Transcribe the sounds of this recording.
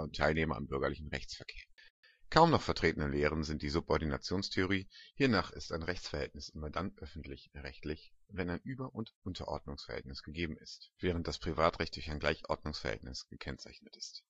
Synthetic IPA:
ʊntʰːaɪlneːmɐɪ̰mbʏɐɡɐlɪçn̩ʁɛçt͡sfɛɐkʰeːɐ | kʰaʊmnɔχfɛɐtʁ̥eːtn̩əleːʁ̞ənzɪnt̚d̥iːzʊpɔɐdina̰t͡sjoːnstʰeoʁ̞iːhiːɐnaːχɪstaɪnʁɛçt͡sfɛɐhɛltnɪsʔɪmɐdanʔœfn̩tlɪçʁɛçtlɪçvɛnaɪnʔyːbɐʔʊntʔʊntʰɐʔɔ̰ɐdnʊŋsfɛɐhɛ̰ltnɪsɡ̥əɡeːbm̩ɪstv̥ɛːʁ̞ənt̚d̥aspʁ̥ivaːtʁɛçt̚d̥ʊɐçaɪnɡlaɪçʔɔ̰ɐdnʊŋsfɛɐhɛ̰ltnɪsɡ̥əkʰɛnt͡saɪçnətɪ̥st

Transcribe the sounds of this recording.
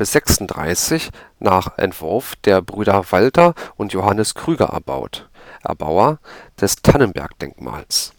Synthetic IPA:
bɪsz̥ɛksn̩d̥ʁa̰ɪsɪçnaːχʔɛ̰ntv̥ʊɐfd̥eːɐbʁyːɾɐvaltɐʊntjoɦanəskʁ̥yːɡɐ̰ʔɛ̰ɐba̰ʊtʔɛ̰ɐba̰ʊɐd̥ɛstʰanənbɛ̰ɐkd̥ɛ̰ŋkma̰ːls

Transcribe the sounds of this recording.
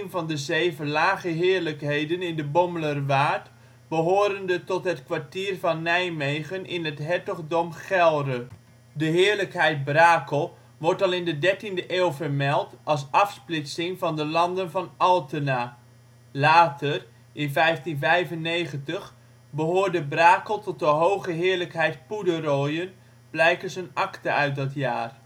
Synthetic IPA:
nvɑndəzejvəlaːχəɦɪːɹləkɦejdənɪndəbɔmələrʋaːrt | bəɦoːɾəndətɔtɦətkʋaɹtiːrvɑnːɛjmejχənʔɪnətɦɛɹtɔχdɔmχɛlˠrə | dəɦɪːɹləkɦɛjt̚braːkəlˠ | ʋɔɹtɑlˠɪndədɛɹtindəʔeːlˠvərmɛlˠtɑlˠs̬ɑfsplɪtsɪŋvɑndəlɑndənvɑnɑlˠtəna | laːtər | ɪnvɛjftinvɛjvənːejχəntəχ | bəɦoːɹdəbraːkəlˠtɔt̚dəɦowχəɦɪːɹləkɦɛjt̚pudərojən | b̥lɛjkəzənɑktəœɥt̚dɑtja̰ːr

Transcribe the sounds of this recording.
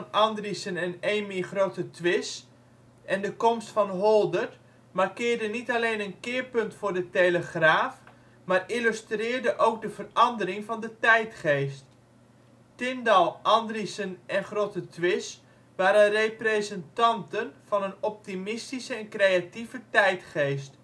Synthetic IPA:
nʔɑndrisənɛneːmiχroːtətʰʋɪs | ʔɛndəkomstfɑnɦolˠdərt | markɪːrdənitaleːnənkɪːrpɵntfʊːrdəteləχraːf | maːrilystrɪːrdəʔowk̚dəvərɑndəɾɪŋvɑndətɛjtχeːst | tɪndɑlˠʔɑndrisənʔɛnχrotətʰʋɪs | ʋaːɾənrejprezɛntɑntənv̥ɑnənɔp̚timɪstisəɛnkrejativətɛjtχejst

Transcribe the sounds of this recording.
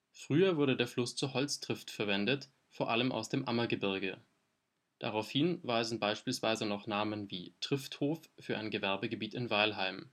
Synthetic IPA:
fʁ̥yːɐvʊɐdədeːɐflʊst͡suːɐɦɔlt͡stʁ̥ɪftfɛɐvɛndət | foːɐʔaləmʔa̰ʊsd̥eːmʔamɐɡəbɪɐɡə | d̥a̰ʁaʊfhɪnvaɪzn̩baɪʃpiːlsv̥aɪzənɔχnaːmənvḭːtʁ̥ɪfthoːffyːɐʔa̰ɪnɡəvɛɐbəɡəbiːtɪnvaɪlɦaɪm

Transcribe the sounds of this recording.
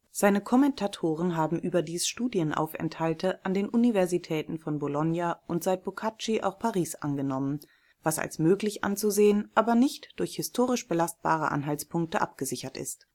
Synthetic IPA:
z̥aɪnəkʰɔmɛntʰatʰoːʁ̞ənɦaːbm̩ʔyːbɐdiːsʃtuːdjənʔa̰ʊfɛ̰nthaltʰəʔandeːnʔunivɛɐzitʰɛːtn̩fɔnbolɔnjaʔʊntz̥aɪt̚b̥okʰat͡ʃiʔa̰ʊxpʰaʁiːsʔa̰nɡənɔmən | vasa̰lsmøːklɪçʔa̰nt͡suzeːənʔaːbɐnɪçtd̥ʊɐçhɪstʰoːʁ̞ɪʃb̥əlast̚b̥a̰ːʁ̞ə̰ʔa̰nɦalt͡spʰʊŋk̚təʔa̰p̚ɡ̥əzɪçɐtɪ̰st

